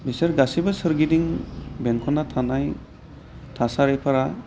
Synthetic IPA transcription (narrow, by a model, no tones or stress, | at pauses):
biseɾɡasibɯsɯɾɡidiŋbɛŋkʰɔnatʰanaj | tʰasaɾepʰaɾa